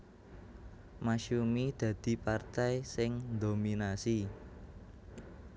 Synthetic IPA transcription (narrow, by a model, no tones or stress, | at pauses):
maʃumid̪̥ä̤d̪̥i̤part̪ɛjsɪŋd̪ominasi